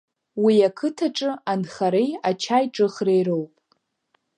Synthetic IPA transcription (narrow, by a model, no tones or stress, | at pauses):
wiakʰɨtʰaʈ͡ʂʼɨanχaɾejat͡ʃʰajʈ͡ʂʼɨχrejɾowpʼ